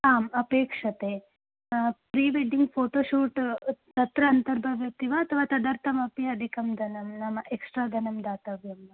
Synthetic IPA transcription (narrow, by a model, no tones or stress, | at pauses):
aːmɐpeːkʂɐt̪e | pɾiːʋeɖiŋɡpʰoːʈoːʃuːʈt̪ɐt̪ɾɐːnt̪ɐɾbʱɐʋjɐt̪ːiʋaɐt̪ʰɐʋaːt̪ɐd̪ɐɾt̪ʰɐmɐpiɐd̪ʱikɐmd̪ʱɐnɐmnɐmɐʔeksʈɾaːd̪ʱɐnɐmd̪aːt̪ɐʋjɐmɐ